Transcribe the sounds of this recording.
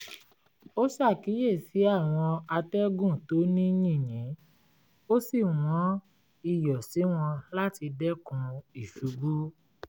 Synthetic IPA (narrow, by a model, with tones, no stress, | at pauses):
o˦sa˦˨ki˨˦je˦˨si˨˦a˦˨w̃ɔ̃˧a˧tɛ˦ɡũ˦˨to˨˦nĩ˦nĩ˦˨j̃ɛ̃˨˦ | o˦si˦˨w̃ɔ̃˨˦ | i˦jɔ˨si˨˦w̃ɔ̃˧la˦ti˧dɛ˦kũ˧i˦˨ʃu˨˧ɡ͡bu˦